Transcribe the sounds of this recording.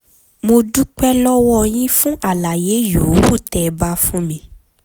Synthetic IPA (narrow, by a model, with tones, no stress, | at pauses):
mo˧du˦k͡pɛ˦lɔ˦wɔ˦j̃ĩ˦fũ˦ʔa˦˨la˨je˨˦ju˨˦wu˦˨tɛ˨˧ba˦fũ˦mĩ˧